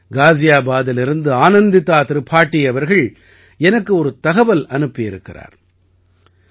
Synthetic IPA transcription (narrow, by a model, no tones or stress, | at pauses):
ɡaːsɪjaːbaːðɪlɪɾɯnd̪ɯaːnɐnd̪ɪt̪ːaːt̪ɪɾɯpʰaːʈːɪjɐʋɐɾɣɐɭ | ɛnɐkːɯɔɾɯt̪ɐɣɐʋɐlɐnɯpːɪjɪɾɯkːɪra̰ːɾ